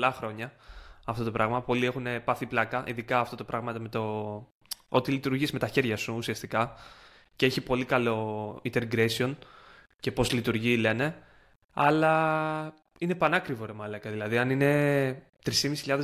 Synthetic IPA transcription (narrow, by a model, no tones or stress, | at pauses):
lɐxɾo̞ɲɐɐft̪o̞t̪o̞pɾɐɣmɐpo̞lie̞xune̞pɐθiplɐkɐʔḭðikɐːft̪o̞t̪o̞pɾʔɐɣmɐt̪eme̞t̪o̞ | o̞t̪ilit̪uɾʝizme̞t̪ɐçe̞ɾʝɐsuːsiɐst̪ikɐ | ceeçipo̞likɐlo̞int̪eɾɡɾesio̞n | ce̞po̞zlit̪uɾʝile̞ne̞ | ɐlɐ | ine̞pɐnɐkɾivo̞ɾemɐlɐkɐðilɐðiɐnine̞ | t̪ɾisimisi̥çiʎɐðe